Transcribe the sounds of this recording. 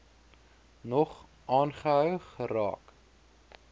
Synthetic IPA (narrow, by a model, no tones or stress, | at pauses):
nɔχ | ʔɑːnχəɦœwχəɾɑ̰ːk